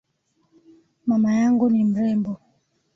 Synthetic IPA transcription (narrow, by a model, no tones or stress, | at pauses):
mamajaŋɡunim̩ɾɛmbɔ